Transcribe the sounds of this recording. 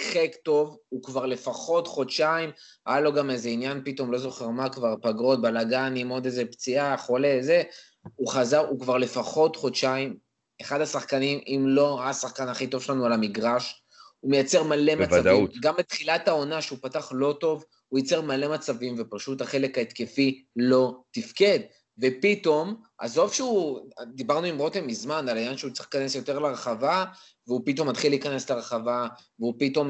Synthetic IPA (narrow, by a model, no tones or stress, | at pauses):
χekto̞vukvaʁle̞faχo̞tχotʃaim | a̰jalo̞ɡamezeinjanpito̞mlo̞zo̞χeʁmakvaʁpaɡʁo̞t̪̚balaɡanimo̞dezept͡siaχole̞ze̞ | uχazaʁukvaʁle̞faχo̞tχo̞tʃaim | eχad̪asaχkanimimlo̞asaχkanaχito̞v̥ʃelanualamiɡʁaʃ | umejat͡se̞ʁmale̞mavadiɡambet̪χilathao̞naʃeupataχlo̞to̞v | hujat͡se̞ʁmale̞mat͡savimvepaʃutaχe̞le̞kaet̪ke̞filo̞tifke̞d̚ | ve̞pito̞m | ʔa̰zo̞vʃeud̪ibaʁnuimʁo̞temizmanalajanʃeut͡seχkanesjo̞te̞ʁlaʁeχava | veupit̪o̞mːat̪χilːiːkane̞slaʁeχavaveupito̞m